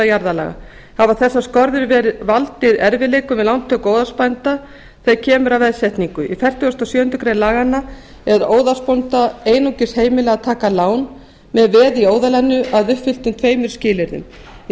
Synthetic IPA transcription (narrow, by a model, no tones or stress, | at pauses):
ajaɾðala̰ɣa̰ | havaθɛsːaskɔɾðʏɾvɛːɾɪðvalt̪ɪðɛɾvɪleːkʏmɛðlawnt̪ʰœkoːwðaspajnt̪a | θecʰɛːmʏɾavɛðsjɛht̪niŋkʏʔifɛr̥t̪ʏɔst̪ɔsjœːʏnt̪ʏkʰɾeːnlaːɣanːa | ɛɾɾoːwðaspont̪aeːjnuwcɪsheːjmɪlɛɣat̪ʰaːkalaːwn | mɛðvɛːðioːwðalɛnːʏʔaðʏhpfɪl̥t̪ʏmt̪ʰveːjmʏɾ̥scɪːlɪɾðʏ̰m